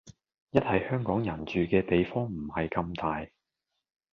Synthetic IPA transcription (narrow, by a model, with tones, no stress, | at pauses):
jɐ˥t̚hɐ˨jhœː˥ŋkɔː˨˥ŋjɐ˨˩nt͡ʃyː˨kɛː˧t̪e˨jfɔː˥ŋm̩˨˩hɐ˨jkɐ˧mt̪aː˨j